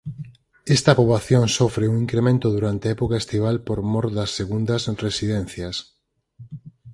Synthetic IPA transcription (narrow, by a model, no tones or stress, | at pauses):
ɛst̪ɐpoβlaθjoŋsofɾeuŋiŋkɾemẽnt̪ʊðuɾant̪eɛpokaest̪iβ̞alpoɾmɔɾd̪ɐsːeɣund̪ɐsresiðen̟θjɐs